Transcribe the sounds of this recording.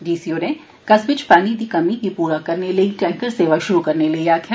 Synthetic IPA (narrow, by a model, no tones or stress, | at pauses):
ɖiːsioːnẽ | kɐsbɪt͡ʃpaːnid̪ikɐmikipuːɾakɐɾnelɐiʈɛ̃ːŋkəɾseːʋaʃʊɾukɐɾnelɐiaːkʰja